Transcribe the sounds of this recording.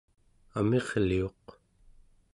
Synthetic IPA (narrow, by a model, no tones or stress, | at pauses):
ame̞ʁlio̞q